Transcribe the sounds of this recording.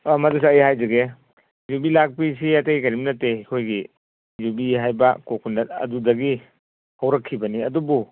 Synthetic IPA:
amɐdus̬iajɦajzɐɡe | zubilak̚pis̬iataɡikɐɾim̚nɐtekʰojɡi | zubiɦajbɐkokʰundɐtɐ̰dudɐɡi | hawɾɐkʰːibɐniɐdubu

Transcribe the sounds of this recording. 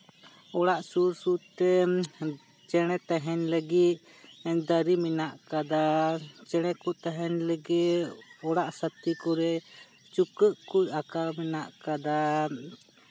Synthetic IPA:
ɔɽaʔsuɾsuɾt̪ɛ | t͡ʃɛɽ̃ɛt̪aɦɛnləɡit̪̚ | ɛɲd̪əɾiminaʔkad̪at͡ʃɛɽ̃ɛkut̪aɦɛnləɡit̪ɔɽaʔsət̪ikɔɾɛ | t͡ʃukəʔkucakaɾminaʔkad̪a

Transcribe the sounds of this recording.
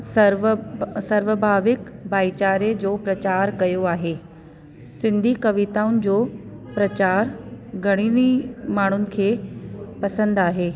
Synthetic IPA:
sɐɾʋəbʱaːʋɪkbaːit͡ɕaːɾed͡ʑoːpɾɐt͡ɕaːɾkɐjoaːɦeː | sɪ̃nd̪ʱikɐʋɪt̪aːʊnɪ̆d͡ʑoːpɾɐt͡ɕaːɾɡʱɐɽ̃inimaːɳ̤ʊnɪ̆kʰeːpɐsə̃nd̪aːɦeː

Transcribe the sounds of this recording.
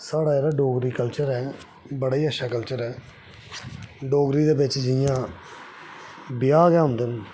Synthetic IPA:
saːɽaːeːɾaːɖoːɡɾiːkəlt͡ʃəɾɛː | bəɽaːiːəʃʰaːkəlt͡ʃəɾɛː | ɖoːɡɾiːd̪eːbɪt͡ʃd͡ʒɪjãː | bɪjaːɡɛːɦʊ̃nd̪en

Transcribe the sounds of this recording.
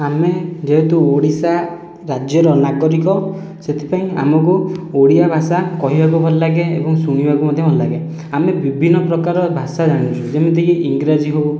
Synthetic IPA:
amed͡ʒeɦet̪uoɽisa | ɾad͡ʒjɔɾɔnaɡɔɾikɔ | set̪ʰi̥paĩa̰mɔkuoɽiabʱasakɔɦibʱakubʱɔllaɡeḛbɔŋsuŋ̃ibʱakumɔd̪ʱjɔbʱɔllaɡe | amebibʱinːɔpɾɔkaɾɔbʱasad͡ʒaɽ̃ũt͡ʃʰud͡ʒemet̪ikiʔiŋɡɾad͡ʒiɦow

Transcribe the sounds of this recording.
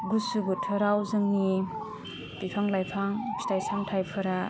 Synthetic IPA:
ɡusubɯtʰɯɾawzɯŋni | pipʰaŋlajpʰaŋsi̥tajsamtʰajpʰɯɾa

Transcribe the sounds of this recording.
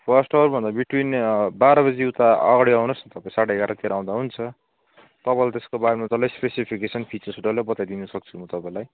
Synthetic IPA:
pʰʌsʈʌrbʱʌnd̪abiʈwinbaɾʌbʌd͡ziuwt̪aʌ̰ɡaɽiawnosnt̪ʌpaĩsaɽeɦeɡaɾʌt̪eɾaaw̃d̪aɦunt͡sʰʌ | t̪ʌpaĩlat̪eskobaɾemat̪alajspesipʰikesʌnpʰit͡sʌrsuʈʌlabʌt̪ajd̪inʌsʌk̚t͡sʰumʌt̪ʌpãĩlaj

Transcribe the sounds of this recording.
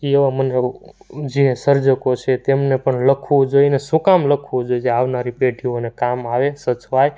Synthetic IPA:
eʋaməned͡ʒesəɾd͡ʒəkot͡ʃʰet̪emnepəɳləkʰʋud͡ʒoinesukamləkʰʋod͡ʒojid͡ʒeaʋnaɾipeʈʰionekamaʋesət͡ʃʋaj

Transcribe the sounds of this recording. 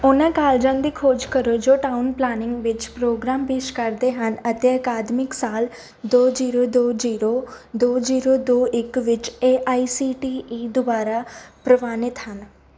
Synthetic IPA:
ʊnãkaːld͡ʒãnd̪ikʰoːd͡ʒkəɾod͡ʒoːʈaːʊnplaːnɪ̃ŋɡʋɪt͡ʃpɾoːɡɾaːmpeːʃkɐɾd̪eɦənət̪eəkaːd̪mɪksaːl | d̪oːd͡ʒiːɾod̪oːd͡ʒiːɾo | d̪oːd͡ʒiːɾod̪oːʔɪkʋɪt͡ʃeʔaːisiːʈiːiːd̪obaːɾapɾəʋaːnɪt̪ɦən

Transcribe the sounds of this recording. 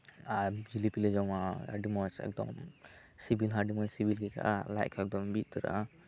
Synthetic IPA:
aɾd͡ʒilipilɛd͡ʒɔmaa̰ɖimɔsɛ̰k̚d̪ɔ̰m | sibilɦaɖimɔsibilɡɛkʰa̰ʔalajkʰɛk̚d̪ɔmbit̪̚t̪ɔɾa̰

